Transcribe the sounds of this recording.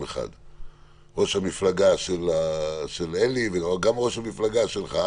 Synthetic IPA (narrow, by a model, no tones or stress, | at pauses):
eχa̰d̪ | ʁo̞ʃhamiflaɡaʃelaʃeleliveɡamʁo̞ʃhamiflaɡaʃelχa